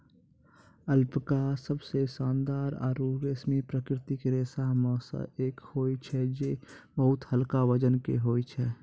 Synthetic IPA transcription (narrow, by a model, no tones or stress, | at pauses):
əlpkasəbsesaːnd̪aːɾa̰ːɾuːɾesmepɾəkɾɪt̪ɪkɾeːsaɦmɔːsə̰ʔeːkhoːit͡ʃʰɛd͡ʒebəɦʊt̪həlkaʋəd͡ʒənkeɦoːit͡ʃʰɛ